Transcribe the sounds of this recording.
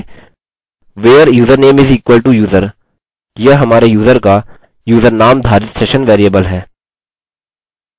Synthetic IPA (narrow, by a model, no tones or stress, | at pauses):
ʋeːəɾjuːzəɾneːmɪziːkʋəlʈujuːzəɾ | jeɦɐmaːɾejuːzəɾka | juːzəɾnaːmd̪ʱaːɾɪt̪seːʃənʋɛːɾijəbəlɦɛː